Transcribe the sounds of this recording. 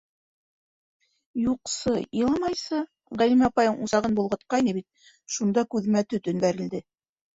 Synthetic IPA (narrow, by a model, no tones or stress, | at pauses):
juqsɤilˠɑmɑjsɤ | ʁælimæpɑjɤɴusɑʁɤnbulˠʁɤ̆t̪̚qɑjnɘbit̪̚ | ʃund̪ɑkʉðmæt̪ɵt̪ɵ̆nbæɾɘ̆ld̪ɘ